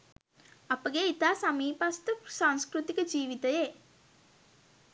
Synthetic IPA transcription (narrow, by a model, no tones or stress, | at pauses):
apəɡeit̪aːsamiːpast̪əsaŋskɾut̪ikəd͡ʒiːʋit̪əje